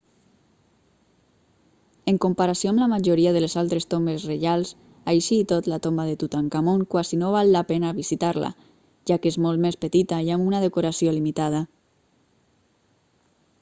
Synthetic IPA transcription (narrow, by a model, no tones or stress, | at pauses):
əŋkumpaɾasioamlamaʒoɾiaðəlezalˠt̪ɾest̪ombesreʒalˠs | ajʃiːt̪ot̪lat̪ombaðet̪ut̪aŋkamoŋkwazinoβ̞alːapenaβizit̪aɾla̰ | ʒakezmolt̪mespət̪it̪aiamunað̞əkoɾasiolimit̪að̞a